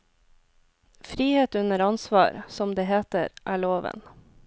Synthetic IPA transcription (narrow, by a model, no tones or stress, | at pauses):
fɾiːheːt̪ʉnəɾɑnsʋɑ̰ːɾsɔmd̪eːheːt̪əɾʔæːɭoːʋə̰n